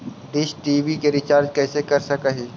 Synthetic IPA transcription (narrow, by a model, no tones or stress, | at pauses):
d̪ɪʃʈiːʋikeɾɪt͡ʃaːɾd͡ʒkɛːsekɐɾsɐkaɦi